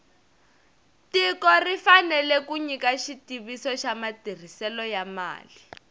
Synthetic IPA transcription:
tikɔrifanɛlɛkuɲikaʃitiβisɔʃamatir̤isɛlɔjama̰ːli

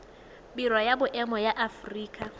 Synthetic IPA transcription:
biɾɔjabʊʔɛmɔjaʔafriːkʼa

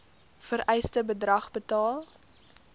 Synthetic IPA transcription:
fəɾʔɛjstəbədrɐχbətɑːlˠ

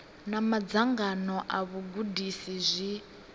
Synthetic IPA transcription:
namad͡zaŋɡanɔʔaβuɡudisizʷi

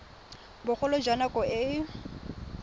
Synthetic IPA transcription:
bʊk͡xʰʊlɔd͡ʒanakʼɔɪ

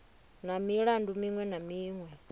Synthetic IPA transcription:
namiɺandumiŋwɛnamiːŋwɛ

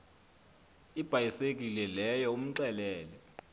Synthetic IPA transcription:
ib̥ʱajisek̬ʼilɛlɛjɔum̩ǀɛlɛːlɛ

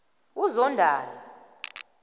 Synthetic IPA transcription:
uzɔndʱaːlɔ

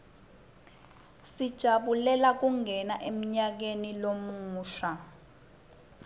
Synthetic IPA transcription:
sid̥ʒ̥ʱaɓulɛlak̬uŋɛnaʔem̩ɲak̬enilomuːʃa

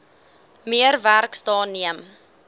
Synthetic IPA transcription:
miəɾværkstɑːnːiəm

